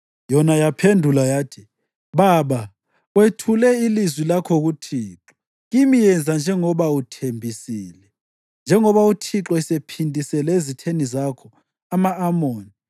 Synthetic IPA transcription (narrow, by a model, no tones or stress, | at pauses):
jɔnajapʰendʱulajaːtʰi̥ | βaβa | wetʰulɛilizwilakʰɔɣutʰiːǁɔ | ɣimijɛnd͡zʱand͡ʒʱɛŋɔβautʰembʱisiːlɛ | nd͡ʒʱɛŋɔβautʰiǁɔisepʰindʱisɛlezitʰenizakʰɔ | amaːmoːni